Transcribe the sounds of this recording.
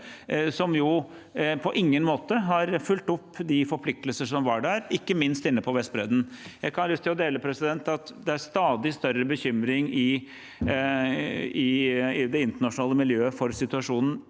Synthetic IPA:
sɔmjʊ | pʰɔʔɪŋːənmoːt̪əɦɑɾfʉlt̪ʊpːd̪ɪfɔɾpʰlɪk̚t̪əlsəʂɔmʋɑɖæɾɪkːəmɪnst̪ɪnːəpʰɔʋɛst̪̚bɾeːd̪n̩jæɪkʰɑnlʉst̪ʰɪlɔd̪eːləpʰɾɛsɪd̪ɛnt̪ɑt̪d̪ɛæɾst̪ɑːd̪ɪst̪œɾəbəçʏmɾɪŋɪ | ɪɪd̪ɛɪnt̪əɳɑʂʊnɑːləmɪljøːəfɔɾsɪt̪ʉɑʂuːnn̩

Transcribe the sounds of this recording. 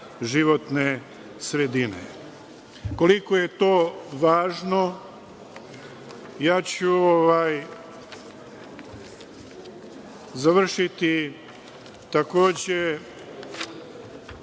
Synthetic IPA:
ʒiʋo̞t̪ne | sɾed̪inḛ | ko̞liko̞je̞t̪o̞ːʋaːʒno̞ | jaːt͡ɕuoʋaj | zaʋr̩ʃit̪i | t̪ako̞ːd͡ʑe

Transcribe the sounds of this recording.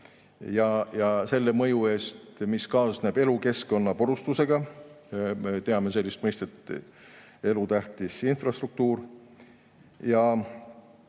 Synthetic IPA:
jɑjɑse̞lːe̞mɤ̞jue̞ːst̪miskɑːsne̞b̥e̞luke̞sko̞nːɑpoɾust̪use̞ɡ̥ɑ | me̞t̪e̞ɑme̞se̞lʲːist̪mɤjst̪e̞t̪ | e̞lut̪æht̪isinfrɑst̪ruk̚t̪uːɾ | jɑ

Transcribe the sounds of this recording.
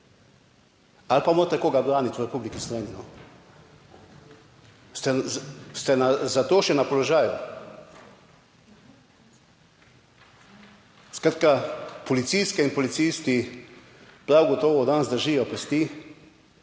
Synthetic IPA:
alpamoːɾt̪ɛkoːɡabɾaːnit̪uɾɛpublikislɛninɔ | st̪ɛst̪ɛnazat̪oːʃɛnapɔlɔʒaːju | skɾaːt̪kapɔlit̪siskɛinpɔlit̪sist̪i | pɾawɡɔt̪ɔːʋɔd̪anzd̪əɾʒiːjɔpɛst̪i

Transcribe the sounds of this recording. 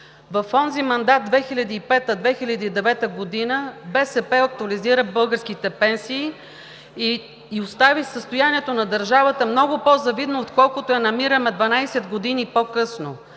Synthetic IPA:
vɐfɔnzimɐnd̪at̪̚d̪vɛxilʲɐd̪iːpɛt̪əd̪vɛxilʲɐd̪iːd̪ɛvɛt̪əɡod̪inəbɛsɛpɛɐk̚t̪ʊɐliziɾəbɤlˠɡəɾskit̪ɛpɛnsiː | ost̪avisəst̪ʊjaniɛt̪onɐd̪əɾʒavət̪əmnɔɡʊpozɐvid̪noːt̪kɔlˠkʊt̪oɛnɐmiɾəmɛd̪vɐnajsɛd̪ɡod̪inipokɤsno

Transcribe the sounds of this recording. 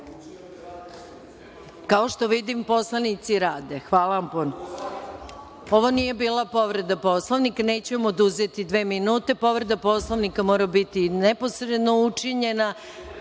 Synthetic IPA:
kao̞ʃt̪o̞ʋid̪impo̞slˠanit̪siɾaːd̪e̞xʋaːlaʋampono | o̞ʋonije̞biːlˠapo̞ʋɾe̞d̪apo̞slˠoʋnikne̞ːt͡ɕuemo̞d̪uze̞t̪id̪ʋe̞ːminuːt̪e̞po̞ʋɾe̞d̪apo̞slˠoʋnikamo̞ːɾabit̪inepo̞sɾe̞d̪no̞ut͡ʂiɲe̞na

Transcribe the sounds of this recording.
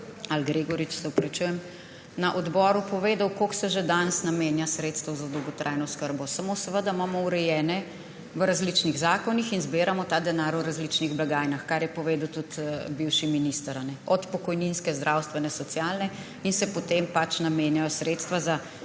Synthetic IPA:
alɡɾeɡɔɾit͡ʃsɛwpɾɛt͡ʃuːjɛm | naʔɔd̪bɔːɾupɔʋeːd̪awkoksɛʒed̪ansnamenjasɾeːt̪st̪əwzad̪ɔwɡɔt̪ɾʔajnɔskəɾbɔsamosɛʋəd̪amamɔuɾɛjɛːnɛ | ʋəɾazlit͡ʃniɣzaːkɔnixinzbeːɾamɔt̪aːd̪ɛnaːɾwɾazlit͡ʃniɣblaɡaːjnaxkaɾjɛpɔʋeːd̪əwt̪ut̪biwʃiminist̪əɾanɛɔt̪pɔkɔjninskɛzd̪ɾʔawst̪ʋɛnɛsɔt̪sjalnɛ | insɛpɔt̪empat͡ʃnameːnjajɔsɾeːt̪st̪ʋaza

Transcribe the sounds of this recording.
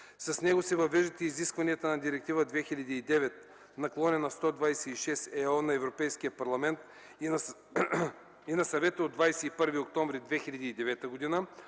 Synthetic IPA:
sɐsnɛɡosɛvɐvɛʒd̪ɛt̪ɛiziskvɐniɐt̪ənɐd̪iɾɛk̚t̪ivəd̪vɛxilʲɐd̪iːd̪ɛvɛt̪̚ | nɐklˠɔnʲɛnɐst̪ɔd̪vajsɛiʃɛsɛɔnɐɛvɾopɛjskijəpɐɾlˠɐmɛnt̪ | inɐsɐvɛt̪əod̪vajsɛipɤɾviok̚t̪ɔmvɾid̪vɛxilʲɐd̪iːd̪ɛvɛt̪əɡod̪inə

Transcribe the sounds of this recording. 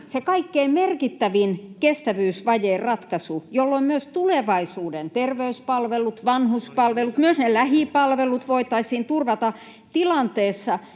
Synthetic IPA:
sekɑikːeimerkit̪ːæʋinkest̪æʋyːsʋɑjeːrɑt̪kɑsujolːoimmyøst̪uleʋɑisuːdent̪erʋeyspɑlʋelut̪ʋɑnhuspɑlʋelut̪myøsnelæhipɑlʋelut̪ʋoit̪ɑisiːnt̪urʋɑt̪ɑ | t̪ilɑnt̪eːsːɑ

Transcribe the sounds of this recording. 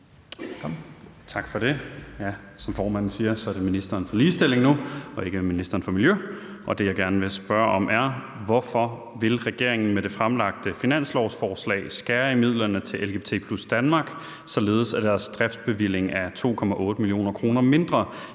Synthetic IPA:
t͡sʰɑ̈ɡ̥fɒ̽ɾ̥e̝jæ | sɒ̽mfɒːmæn̰n̩siːɐsɒ̽æɐdeminisd̥ɐːnfɒ̽liːsd̥e̝l̰e̝ŋnuɒ̽e̝ɡ̥əminisd̥ɐːn̩fɒ̽miljøʔɒ̽d̥e̝jɑ̈ɪɡ̥æɐnəʋe̝sb̥ɶɐʔɒ̽mʔæɐ | ʋɒfɒ̽ | ʋe̝lʁɛɡ̥e̝ɐ̰eŋn̩med̥e̝fʁamlɑ̈ɡ̥̚d̥əfinæn̰slɒʊsfɒːslɛ̰ɪsɡ̥æːɐimið̞̰ˠlɐnət͡sʰe̝lʔelɡe̝t͡sʰe̝̰pʰlusd̥ænmɑ̈ɡ̥ | sɒ̽le̝ːð̞̩ˠsæd̥æɐsd̥ʁafd̥̚b̥e̝ʋil̰e̝ŋæt͡sʰo̝̰ːkʰɒ̽mæʔɔ̽ːd̥əmilio̝̰ːnɐkʰʁo̝ːnɐme̝nd̥ʁɐ

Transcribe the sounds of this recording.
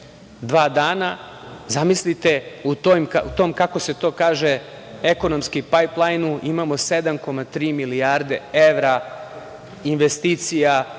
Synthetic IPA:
d̪ʋaːd̪aːna | zamislit̪e̞ut̪ojmut̪o̞ːmkako̞se̞t̪o̞ːkaːʒe | eko̞no̞mskipajplˠajnuʔimamo̞se̞d̪amko̞mat̪ɾiːmilijaːɾd̪e̞eʋɾa | inʋest̪iːt̪sija

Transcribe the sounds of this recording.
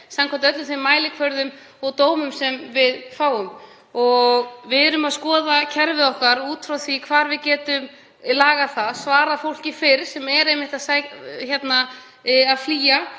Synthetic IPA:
samkʰant̪œt̪lʏθejmːaːjlɪkʰvœɾðʏm | ɔɣt̪oːwmʏmsɛmvɪðfaːwʏm | ɔɣvɪðɾʏmaðskɔːðacʰɛɾvɪðɔhkaɾuːt̪fɾawθvikʰvaːɾvɪðcɛːt̪ʏm | laːɣaθaðsvaːɾafowl̥cɪfɪɾ̥sɛmɛɾejmːɪht̪aðsaçjɛt̪na | aðfliːja

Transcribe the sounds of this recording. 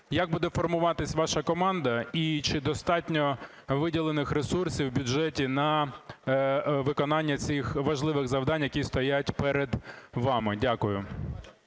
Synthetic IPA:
jaɡ̚bud̪ɛfɔrmʊʋɑt̪ɪsʲʋɑʃɐkɔmɑnd̪ɐit͡ʃɪd̪ɔst̪ɑtʲnʲɔ | ʋɪdʲilˠenɪxɾesursʲiwbʲʊd͡ʒɛtʲinɐ | ʋɪkɔnɑnʲːɐt͡sʲɪxʋɐʒlˠɪʋɪɣzɐwd̪ɑnʲjɐkʲist̪ɔjatʲpɛɾed̪ʋɑmɪdʲakʊjʊ

